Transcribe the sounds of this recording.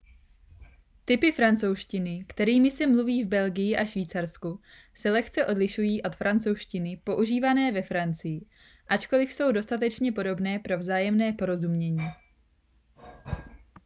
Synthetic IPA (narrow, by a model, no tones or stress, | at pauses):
t̪ɪpɪfɾant͡so̞wʃcɪnɪkt̪ɛɾiːmɪsɛmluviːvbɛlɡɪjɪʔaʃviːt͡saɾsku | sɛlɛxt͡sɛʔo̞dlɪʃujiːʔo̞t̪fɾʔant͡so̞wʃcɪnɪpo̞ʔuʒiːvanɛːvɛfɾant͡sɪjɪ | ʔat͡ʃko̞lɪfso̞wdo̞st̪at̪̬ɛt͡ʃɲɛpo̞do̞bnɛːpɾo̞vzaːjɛmnɛːpo̞ɾo̞zumɲɛɲiː